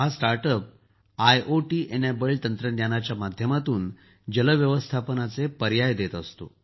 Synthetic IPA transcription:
ɦasʈaɾʈəp̚ | ajʔoʈiːʔenebəɭt̪ənt̪ɾənjanat͡ɕjamad̪ʱjəmat̪uːn | d͡ʑələʋjəʋəst̪ʰapənat͡sepəɾjajd̪et̪əst̪o̰

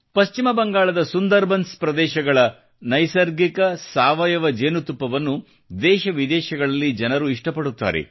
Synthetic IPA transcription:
pɐst͡ʃimɐbɐŋɡaːɭɐd̪ɐsund̪ɐɾbʱɐnspɾɐd̪ɛːʃɐɡɐɭɐ | nɐjsɐɾɡikɐsaːʋɐjɐʋɐd͡ʒeːnut̪upːɐʋɐnːu | d̪ɛːʃɐʋid̪ɛːʃɐɡɐɭɐlːid͡ʒɐnɐɾuiʂʈɐpɐɽut̪ːa̰ːɾḛ

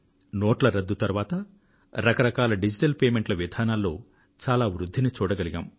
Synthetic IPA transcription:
noːʈlɐɾɐd̪ːut̪ɐɾʋaːt̪ɐ | ɾɐkɐɾɐkaːlɐɖid͡ʒiʈɐlpeːmeɳʈlɐʋid̪ʱaːnaːlːo̞ː | t͡ʃaːlaːʋɾud̪ʱːinit͡ʃuːɽɐɡɐliɡa̰ːm

